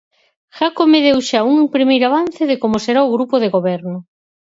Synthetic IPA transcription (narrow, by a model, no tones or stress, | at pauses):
ʃakomeðewʃauŋpɾimejɾaβan̟θeðekomoseɾaoɣɾupoðeɣoβɛɾnʊ